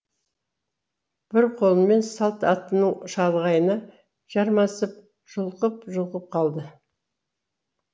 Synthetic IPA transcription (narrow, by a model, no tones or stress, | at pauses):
b̥ɪɾqʰo̞lˠənme̞nsɑlˠt̪ɑt̪ːənuʃɑlˠʁɑjənɑ | ʒ̥ɑɾmɑsəp̚ | ʒ̥ʊlˠqəpʒʊlˠqəp̚qʰɑlˠd̪ə